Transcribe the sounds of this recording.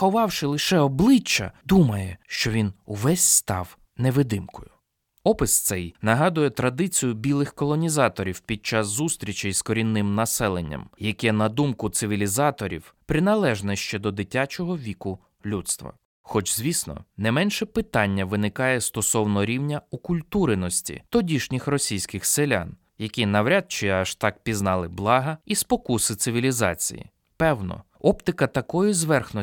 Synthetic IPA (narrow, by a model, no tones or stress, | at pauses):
ɔʋɑwʃɪlˠɪʃɛɔblˠɪt͡ʃːɐ̰d̪umɐjɛʃt͡ʃɔʋʲinʊʋɛsʲst̪ɑ̰w | nɛʋɪd̪ɪmkɔjʊ | ɔpɪst̪sɛjnɐɦɑd̪ʊjɛt̪ɾɐd̪ɪt͡sʲijʊbʲilˠɪxkɔlˠɔnʲizɑt̪ɔɾʲiwpʲid̪̚t͡ʃɑsːust̪ɾʲit͡ʃɪjskɔɾʲinːɪmnɐsɛlˠenʲːɐ̰mjɐkɛnɐd̪umkʊt̪sɪʋʲilʲizɑt̪ɔɾʲḭwpɾɪnɐlˠɛʒnɛʃt͡ʃɛd̪ɔd̪ɪtʲːat͡ʃɔɦɔʋʲikʊ | lʲut̪st̪ʋɐ̰ | xɔt͡ʃz̥ʲʋʲisnɔ̰nɛmɛnʃɛpɪt̪ɑnʲːɐʋɪnɪkɑjɛst̪ɔsɔwnɔɾʲiwnʲɐukʊlʲt̪uɾenɔsʲtʲḭt̪ɔdʲiʃnʲɪxrɔsʲijsʲkɪxselʲa̰n | jɐkʲinɐwɾʲad̪̚t͡ʃɪɐʃt̪ɑk̚pʲiznɑlˠɪblˠɑɦɐispɔkusɪt̪sɪʋʲilʲizɑ̰t͡sʲḭjḭ | pɛwnɔ̰ | ɔpt̪ɪkɐt̪ɐkɔjʊzʋɛrxnɔ